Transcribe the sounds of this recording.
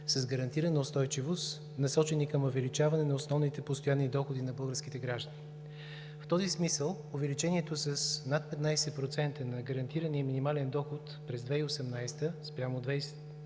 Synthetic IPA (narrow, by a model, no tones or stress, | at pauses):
səzɡəɾɐnt̪iɾənəʊst̪ɔjt͡ʃivost̪ | nɐsɔt͡ʃɛnikəmovɛlit͡ʃavɐnɛnɐosnɔvnit̪ɛpost̪ojanːid̪ɔxʊd̪inɐbɤlˠɡəɾskit̪ɛɡɾaʒd̪əni | ft̪ɔzismisəlˠ | ovɛlit͡ʃɛniɛt̪osɐsnat̪̚pɛt̪najsɛpɾot̪sɛnt̪ənɐɡəɾɐnt̪iɾəniəminimalɛnd̪ɔxʊt̪pɾɛzd̪vɛiosɛmnajst̪əspɾʲamod̪vajsɛ̥t̪